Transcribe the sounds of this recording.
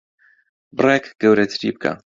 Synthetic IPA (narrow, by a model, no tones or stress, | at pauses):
brɛkɡ̥ɛwɾɛt͡sʲɾḭp̚kʰa̰